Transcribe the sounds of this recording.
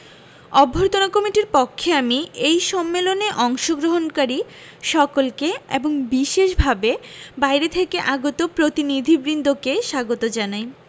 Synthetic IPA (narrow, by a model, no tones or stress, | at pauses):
ɔbʱoɾt̪onakɔmiʈiɾpokʰːeamiʔejʃɔmːeloneʔɔŋʃoɡɾoɦonkaɾi | ʃɔkolkeḛboŋbiʃeʃbʱabebajɾet̪ʰekeʔaɡot̪opɾot̪inid̪ʱibɾind̪ʱokeʃaɡot̪od͡ʑanaj